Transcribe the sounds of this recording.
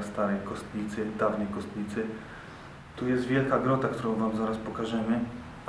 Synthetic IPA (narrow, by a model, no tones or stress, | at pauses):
st̪aɾɛjkɔst̪ɲit̪sɘd̪avnɛjkɔst̪ɲʲit̪sɘ | t̪ujɛst̪vʲjɛlkaɡɾɔt̪akt̪uɾɔ̃w̃vamzaɾaspɔkaʐɛmɘ